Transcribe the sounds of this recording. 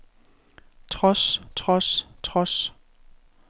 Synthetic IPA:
t͡sʰʁɔst͡sʰʁɔst͡sʰʁɔs

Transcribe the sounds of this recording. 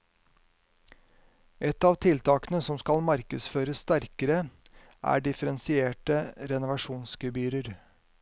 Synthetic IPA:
ɛt̪ɑːʋt̪ʰɪlt̪ʰɑːkənəsɔmskɑlmɑɾkəsføːɾəsst̪æɾkəɾə | ʔæ̰ːɖɪfəɾɛnsɪeːʈəɾɛnʊʋɑʃuːnskəbyːɾəɾ

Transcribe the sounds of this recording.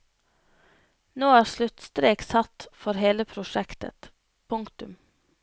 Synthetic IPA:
noːæːɾslʉt̪st̪ɾeːksɑt̪fɔɾheːləpʰɾʊʃɛkt̪ə̰t̪ | pʰʊŋkt̪ʉm

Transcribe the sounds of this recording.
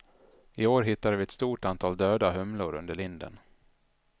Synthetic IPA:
ɪoːɾɦɪt̪ːadvɪɛt̪st̪uːʈant̪ʰɑːld̪øːd̪aɦɵmlʊɾɵ̰nd̪əɭɪnd̪ə̰n

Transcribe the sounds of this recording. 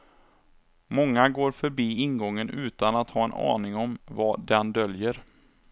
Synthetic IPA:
mɔŋːaɡoːɾfœɾbiːɪnɡɔŋːənʔʉ̟ːt̪anat̪hɑːɛnʔɑ̰ːnɪŋɔmvad̪ɛnd̪œljəɾ

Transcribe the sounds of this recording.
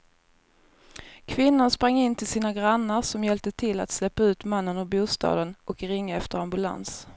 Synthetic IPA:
kʰvɪnːanspɾaŋːɪnt̪ʰɪlsiːnaɡɾanːəɾʂɔmjɛlp̚t̪ət̪ʰɪlːa̰t̪slɛpːaʉ̟ːt̪manːənɔbuːst̪ɑ̰ːd̪ənɔkɾɪŋːaɛft̪əɾambɵla̰ns

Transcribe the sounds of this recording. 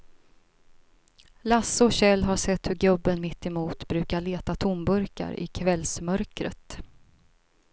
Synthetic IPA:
lasːɔɕɛlːɦaʂɛt̪hɵɾɡɵbːənmɪt̪ːɛmuːt̪bɾʉ̟ːkaɭeːt̪at̪ʰʊmbɵɾka̰ɾɪ̰kʰvɛlsmœɾkɾə̰t̪

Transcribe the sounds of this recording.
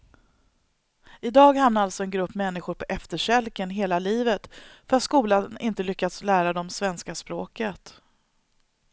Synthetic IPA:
ɪd̪ɑːɡhamnaalt̪sɔɛnɡɾɵpːmɛnːɪɧʊɾpʰɔʔɛft̪əʂɛlkənɦeːlaliːvət̪fœɾat̪skuːlanɪnt̪əlʏkːat̪slæːɾad̪ɔmsvɛnskaspɾoːkət̪

